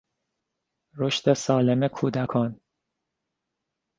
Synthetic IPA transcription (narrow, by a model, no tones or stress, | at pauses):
ɾo̞ʃt̪esɒːle̞mekʰuːd̪ækʰɒn